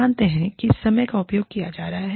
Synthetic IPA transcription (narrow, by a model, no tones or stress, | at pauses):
aːnt̪eɦɛ̃kisːɐməjkaʊpjoːɡ̚kijad͡ʒaːɾɐɦaɦɛ